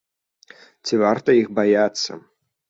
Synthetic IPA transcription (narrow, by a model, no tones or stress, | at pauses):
t͡sʲivart̪ɐixbajat̪sːɐ̰